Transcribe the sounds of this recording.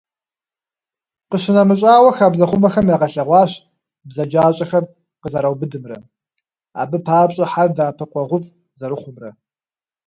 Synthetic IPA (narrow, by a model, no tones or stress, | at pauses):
qəɕɪnɐmɨɕʼaːwʷɐxaːbzɐχʷʊmɐxɐmjaːʁɐɬɐʁʷɑːɕ | bzɐd͡ʒaːɕʼɐxɐr | qəzɐɾɐwbɨdɨmrɐ | a̰ːbɨpʰaːpɕʼɐħardaːpʰɐqʷʼɔʁʷʊfʼ | zɐɾɨχʷʊmrɐ